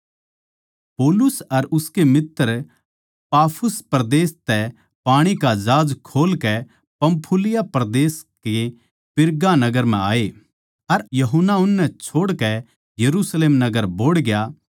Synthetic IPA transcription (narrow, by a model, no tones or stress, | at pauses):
poːlʊsɐɾʊskemɪt̪ːəɾ | paːpʰʊspɾd̪eːst̪ɛ | paːɽ̃ikad͡ʒaːd͡ʒkʰoːlkɛ | pɐ̃mpʰʊlɪjapɐɾd̪eːske | pɪɾɡanɐɡəɾmɛ̰̃aːe | ɐɾjɐɦʊnːaʊnːɛt͡ʃʰoːɽkɛ | jɐɾusleːmnɐɡəɾboːɽɡɪja